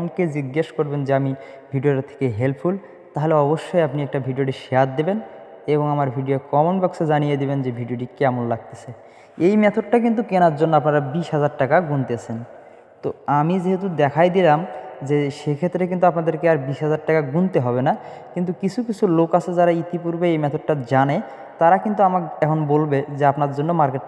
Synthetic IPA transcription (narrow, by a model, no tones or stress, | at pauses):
ked͡ʑiɡːeʃkoɾbend͡ʑeami | bʱiɖioɾat̪ʰe̥keɦelpʰpʰul | t̪aɦoleɔboʃːojapniɛk̚ʈabʱiɖioʈ̬iʃeaɾ̚d̪eben | eβoŋamaɾbʱiɖijokɔmonbɔksʰed͡ʑanijed̪ibend͡ʑebʱiɖioʈ̬ikeamollaɡ̚t̪e̥sʰe | ejmɛt̪ʰoɖʈak̬int̪̬ukenaɾd͡ʑonːoapnaɾabiʃɦad͡ʑaɾʈakaɡunt̪eat͡ɕʰen | t̪oamid͡ʑeɦet̪̬ud̪ɛkʰajd̪ilamd͡ʑeʃekʰet̪ːɾek̬int̪uapnad̪eɾkeaɾbiʃɦad͡ʑaɾʈakaɡunt̪eɦɔbenakint̪̬ukit͡ɕʰukit͡ɕʰulokasʰed͡ʑaɾait̪ipuɾbeejmɛt̪ʰoɖ̚ʈad͡ʑane | t̪aɾakint̪̬uamakɛkʰonbolbed͡ʑeapnaɾd͡ʑonːomaɾkeʈ